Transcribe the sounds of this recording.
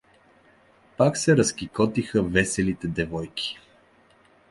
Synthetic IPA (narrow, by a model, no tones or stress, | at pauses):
paksɛɾɐskikɔt̪ixəvɛsɛlit̪ɛd̪ɛvɔjki̥